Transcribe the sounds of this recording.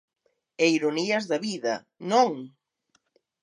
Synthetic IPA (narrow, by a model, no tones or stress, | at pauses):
eiɾoniɐzðɐβiðɐ̰ | noŋ